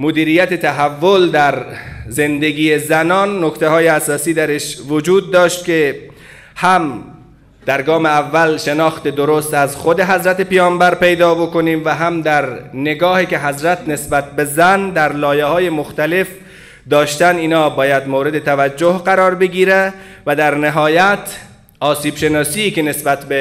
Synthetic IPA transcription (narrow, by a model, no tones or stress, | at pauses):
mod̪iːɾijæt̪et̪ʰæɦævːold̪æɾze̞nd̪e̞ɡʲiːjezænɒːnːokt̪ʰeɦɒːjeæsɒːsiːd̪æɾeʃvod͡ʒuːd̪ːɒːʃt̪̚kʲʰe | hæm | d̪̥æɾɡɒːmeævːælʃenɒːxt̪ed̪oɾost̪æzxod̪e̞ɦæzɾæt̪epijɒːmbæɾpe̞jd̪ɒːbo̞koniːmvæɦæmd̪æɾneɡɒːhiːkʲe̞ɦæzɾæt̪ne̞sbæt̪̚bezænd̪æɾlɒːjehɒːjemoxt̪æle̞f | d̪ɒːʃt̪æniːnɒːbɒːjæd̪moɾe̞d̪et̪ʰævæd͡ʒːohɢæɾɒːɾbe̞ɡiːɾe | væd̪æɾneɦɒːjæt̪ʰ | ɒːsiːb̥ʃenɒːsiːkʲenesbæt̪be